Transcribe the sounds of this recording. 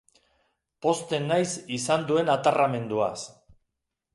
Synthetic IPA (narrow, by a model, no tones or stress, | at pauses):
po̞st̪e̞nːajsisand̪ue̞nat̪arame̞nd̪ua̰s